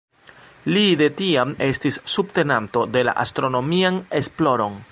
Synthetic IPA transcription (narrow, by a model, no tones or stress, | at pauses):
lide̞tiame̞stisːubte̞nanto̞de̞la̰ʔa̰stɾo̞no̞miane̞splo̞ɾo̞n